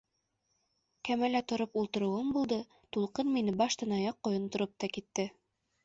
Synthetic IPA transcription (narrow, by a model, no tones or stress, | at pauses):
kæmælæt̪ŏɾɤpulˠt̪ɤ̆ɾɤ̆wɤmbulˠd̪ɤ | t̪ulˠqɤnminɘbɑʃt̪ɤnɑjɑqːŏjɤ̆nt̪ŏɾɤp̚t̪ɑkit̪ːɘ